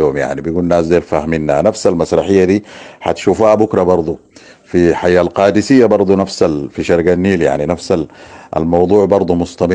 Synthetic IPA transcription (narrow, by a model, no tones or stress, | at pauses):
oːmja̰ʕnibijɡuːnːaːszeːɾfahminːanafsalmasɾˤɑħɪjːad̪iːħa̰t̪ʃuːfhabʊkɾˤɑbɑɾˤd̪ˤu | fiħajːalqɑːd̪ɪsijːabɑɾˤd̪ˤunafsalfiʃɑɾˤɡanːiːlja̰ʕninafsaa̰lmɑwd̪ˤuːʕbɑɾˤd̪ˤumʊst̪ɑmɪ